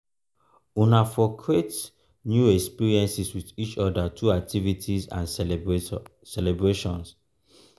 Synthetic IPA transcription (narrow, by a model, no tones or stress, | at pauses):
unafɔkʰɹet | njuɛkspiɹiɛ̃nsiswiðit͡ʃɔdatʰuak̚tʰivitʰizã̰n | sɛlɛbɹeʃɔ̃ns